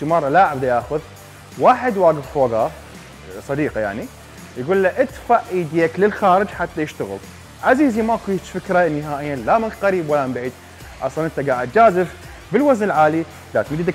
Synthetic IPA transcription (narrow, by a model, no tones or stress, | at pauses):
imɑɾˤːɑlaʕab̚d̪ajaːxʊð | waːħɪd̪waːɡɪffoːɡɑ | sˤɑd̪iːqɑja̰ʕni | jɡuːlːaʔɪt̪faʕʔiːd̪ijaklɪlxaːɾɪd͡ʒħat̪ːajɪʃt̪aɣɪ̰l | ʕaziːzimakujt͡ʃfɪkɾˤɑʔnːɪɦaːʔɪjːalamɪnqaɾiːbwalːammbʕiːd̪̚ | ʔɑsˤlɑnʔɪnt̪aɡaːʕɪd̪̚d͡ʒaːzɪf | bɪlwaznɪlʕaːli | d̪aːt̪mid̪id̪a